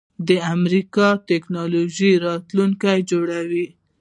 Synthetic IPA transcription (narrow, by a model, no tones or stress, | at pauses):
d̪əamɾikɑt̪eknɑloʒiɾɑt̪luŋkajd͡ʒoɽawi